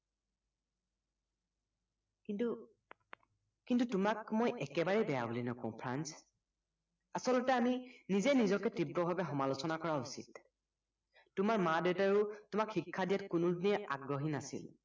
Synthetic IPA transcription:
kintu | kintutʊmakmojʔɛkɛbaɹɛbɛjabolinɔkɔ̰̃ʊ̃pʰɹa̰ns | asɔlɔtɛaminizɛnizɔkɛtɹibɹɔbʱabɛxɔmalusɔnakɔɹausḭd | tʊmaɹmadetaɹʊtʊmakxikʰːadijatkʊnudiniɛa̰ɡɹɔɦinasḭl

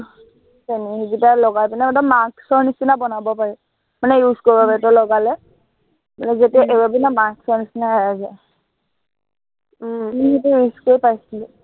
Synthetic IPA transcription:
saniizitalɔɡajpinɛdɔmːaɹksɔɹnisinabɔnabɔpaɹɛ | manɛjuskoɹibɔbɛtɔlɔɡalɛ | manɛzetiaʔeɹɔbinamaɹksɔɹnisinaɛazaj | niɦitujuskoɹipajsilɛ

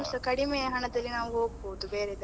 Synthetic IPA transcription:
msɐkɐɽimejɐɦɐɳɐd̪ɐlːinaːʋuɦoːɡ̚boːud̪ubeːɾed̪

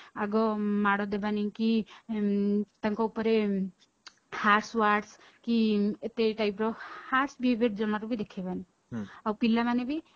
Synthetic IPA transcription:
aɡɔmaɽɔd̪ebaniki | t̪ãŋkɔupɔɾe | haɾswaɖs | kiet̪eʈajpɾɔhaɾsbibeʈ̚d͡ʒɔmaɾubʱid̪ekʰebani | awpilːamanebʱi

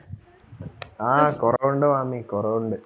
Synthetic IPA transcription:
aːkoreɳɖɨʋaːmikoreːuɳɖɨ

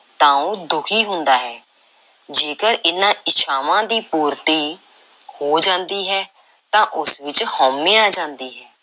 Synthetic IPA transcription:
t̪ãːũːd̪ʊkʰiːɦʊnd̪aːɦɛː | d͡ʒeːkəɾʔɪnːãːʔɪʃʰaːʋãːd̪iːpuːɾt̪iː | hoːd͡ʒãːnd̪iːɦɛː | t̪ãːʔʊsʋɪt͡ʃhɔːmːẽːaːd͡ʒãːnd̪iːɦɛː

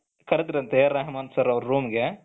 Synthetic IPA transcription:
kɐɽed̪iɾɐnt̪eɾaːɦimaːnsɐɾɐʋɾuɾuːmɡe

